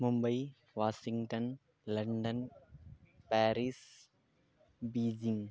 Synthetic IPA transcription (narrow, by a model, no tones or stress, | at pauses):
mʊmbɐɪ | ʋaːsɪŋɡʈɐn | lɐɳɖɐn | paːɾis | biːd͡ʒɪŋ